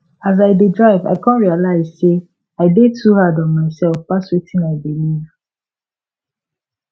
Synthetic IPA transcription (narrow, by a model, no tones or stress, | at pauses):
azaɪdedɹaɪva̰ɪkʰɔ̃nɹialaɪzse | aɪdetʰuhadɔ̃nmaɪsɛlˠfpaswetʰĩnaɪbiliv